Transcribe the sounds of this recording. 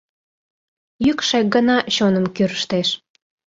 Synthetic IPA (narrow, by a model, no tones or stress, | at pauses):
jykʃek̚ɡənɑɕonəmkyɾəʃt̪eʃ